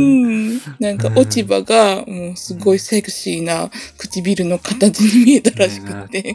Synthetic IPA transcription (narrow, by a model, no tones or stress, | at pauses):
ɯ̃ːnãŋkaʔo̞t͡ɕibaɡamo̞ːsɨɡo̞isaɡɯ̟̥ɕiːnakɯ̟̥t͡ɕibʲiɾɯ̟no̞kʰat̪at͡sɨɲ̟imʲie̞t̪aɾaɕi̥kɯ̟̥t̪ːe̞